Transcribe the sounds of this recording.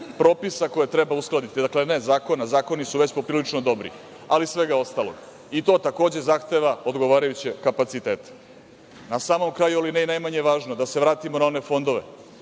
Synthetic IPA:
pɾo̞ːpisako̞jet̪ɾebausklˠad̪it̪id̪aklene̞zaːko̞nazaːko̞nisuʋe̞t͡ɕpo̞pɾiːlit͡ʂnod̪o̞bɾḭ | alisʋe̞ɡao̞st̪alo̰ɡ | it̪o̞ːt̪ako̞ːd͡ʑe̞zaxt̪e̞ʋaod̪ɡo̞ʋaːɾajut͡ɕekapat̪sit̪eːt̪e̥ | nasaːmo̞mkɾaːjualinejnajmaɲeʋaːʒnod̪aseʋɾaːt̪imo̞nao̞ne̞fo̞nd̪o̞ʋḛ

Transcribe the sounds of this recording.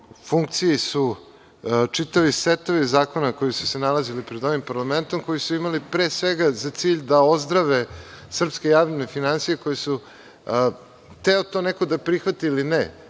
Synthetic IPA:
fuŋk̚t̪sijisu | t͡ʂit̪aʋiset̪oʋizaːko̞nako̞jisu̥senalazilipɾed̪o̞ʋimpaɾlˠame̞nt̪o̞mkojisuimalipɾeːsʋeɡazat̪siːʎd̪ao̞zd̪ɾaʋe | sr̩pskejaːʋʎenefinansijeko̞jesu | t̪eot̪o̞nekod̪apɾixʋat̪iːline

